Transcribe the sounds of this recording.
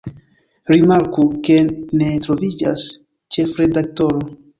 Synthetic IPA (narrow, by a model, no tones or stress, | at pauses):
ɾimaɾkuke̞ne̞tɾo̞vid͡ʒa̰s | t͡ʃe̞fɾe̞dak̚to̞ɾo